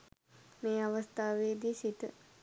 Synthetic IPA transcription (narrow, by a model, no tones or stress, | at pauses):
meːaʋəst̪aːʋeːd̪iːsit̪ə